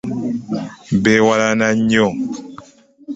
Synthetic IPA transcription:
bɛwalanaɲɔŋ

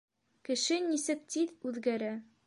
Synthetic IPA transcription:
kɘ̆ʃɘnisɘk̚t̪iðʉðɡæɾæ

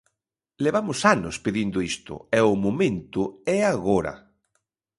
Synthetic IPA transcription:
leβamʊsanʊspeðind̪ʊist̪ʊ̰ɛʊmomẽnt̪ʊɛaɣoɾɐ̰

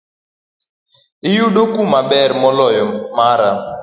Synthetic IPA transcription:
ɪjuɗokumabɛrmɔlɔjɔmaɾa

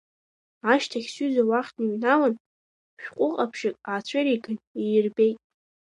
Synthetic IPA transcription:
aʃtʰaχʲsyzawaχʲʰniɥnawan | ʃᶣqʷʼʊqʼapʰʃɪkʼaːt͡ɕʷʰaɾiɡʰɨnijɪrbe̞jtʼ

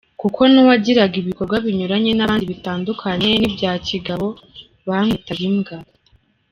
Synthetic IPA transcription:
kukʰo̞nowaɟiɾaɡiβiko̞ɾɡwaβiɲuɾaɲe̞naβaːndiβitaːndukʰaɲe̞nibɟaːciɡaβo̞ | βamitaɾimɡaɾa

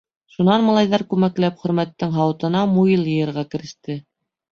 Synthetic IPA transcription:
ʃunɑnmɑlˠɑjðɑɾkʉmæklæpχɵ̆ɾmæt̪ːɘŋɦɑwɤ̆t̪ɤ̆nɑmujɤlˠjɤ̆jɤ̆ɾʁɑkɘ̆ɾɘ̆ʃt̪ɘ

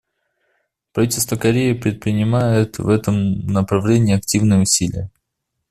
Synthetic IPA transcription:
pɾɐvitʲɪlʲst̪vəkɐɾʲeɪpɾʲɪt̪̚pɾʲɪnʲɪmajɪt̪vɛt̪əmnəpɾɐvlʲenʲɪːɐk̚tʲivnɨjəʊsʲilʲɪ̰jə

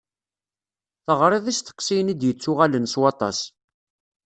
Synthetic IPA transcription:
θəʁɾˤeðˤist̪ə̥qːsijənid̪jət͡sːʊʁalənswɑt̪ˤɑ̰s

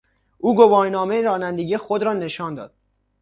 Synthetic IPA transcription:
ʔuːɡobɒːɾnɒːmejɾɒːnænd̪e̞ɟijxod̪ɾɒːne̞ʃɒːnd̪ɒ̰ːd̪̥̚

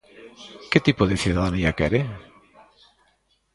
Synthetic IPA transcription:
ket̪ipoðeθuðaðaniakɛɾe

